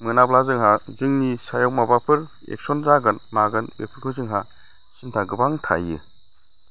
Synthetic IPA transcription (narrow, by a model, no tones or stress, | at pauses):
mɯnablazɯŋɦazɯŋnisajawmabapʰɯɾ | ḛk̚sɔnzaɡɯnmaɡɯnbepʰɯɾkʰɯzɯŋɦa | sintʰaɡɯbaŋtʰa̰jɯ̰